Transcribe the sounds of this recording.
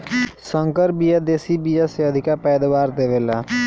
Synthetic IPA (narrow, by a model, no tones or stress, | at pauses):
səŋkəɾbijad̪eːsibijaseəd̪ʱɪkapɛːd̪awaːɾd̪eʋela